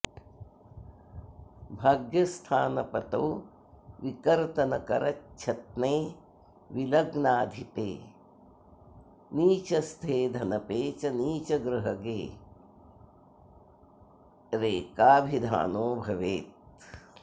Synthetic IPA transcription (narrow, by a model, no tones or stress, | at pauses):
bʱaːɡjɐst̪ʰaːnɐpɐt̪ɐw | ʋikɐɾt̪ɐnɐkɐ̰ɾɐtːt͡ʃʰɐt̪̚neː | ʋilɐɡnaːd̪ʱipḛː | niːt͡ʃɐst̪ʰeːd̪ʱɐnɐpeːt͡ʃɐniːt͡ʃɐɡɾɨɦɐɡeː | ɾeːkaːbʱid̪ʱa̰ːnoːbʱɐʋḛːt̪̚